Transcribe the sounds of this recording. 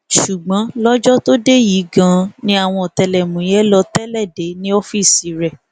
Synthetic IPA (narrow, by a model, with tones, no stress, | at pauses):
ʃu˨ɡ͡bã˨˦lɔ˦d͡ʒɔ˦to˦de˦ji˨˦ɡã˦˧nĩ˦a˦˨w̃ɔ̃˧ɔ˨tɛ˧lɛ˨mũ˨jɛ˦lɔ˧tɛ˦lɛ˦˨de˨˦nĩ˦o˦fi˦˨si˨˦ɾɛ˦˨